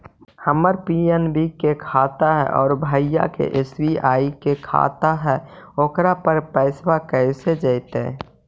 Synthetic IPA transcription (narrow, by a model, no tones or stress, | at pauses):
həməɾpienbiɡkːekʰat̪aɦɛ̰ʔɔ̰ːɾbʱajja̰kḛʔesbiaːikekʰa̰t̪aɦɛoːkɾapəɾpəɪswakəɪsed͡ʒəɪt̪ḛ̃ː